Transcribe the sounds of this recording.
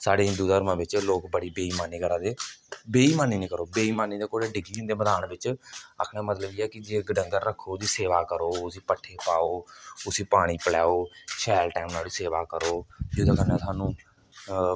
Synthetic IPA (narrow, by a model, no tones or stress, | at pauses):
saːɖeːɪnd̪uːd̪əəɾmãːbɪt͡ʃloːkbəɽiːbeːiːmaːniːkəɾãːd̪eːbeːiːmaːniːnĩːkəɾoːbeːiːmaːniːd̪eːkoːɽeːɖɪɡiːɪnd̪eːməd̪aːnbɪt͡ʃə̰kʰɽ̃ãːmət̪ləbiːɛːkɪd͡ʒeːɡəɖə̃ŋɡəɾɾəkʰːoːd͡ʒiːseːʋaːkəɾoːʊsiːpəʈʰːeːpaːoːʊsiːpaːɽ̃iːpəlɛːoːʃɛːlʈɛːmnaːɽiːseːʋaːkəɾoːd͡ʒoːd̪aːkənːãːt̪ʰaːnũː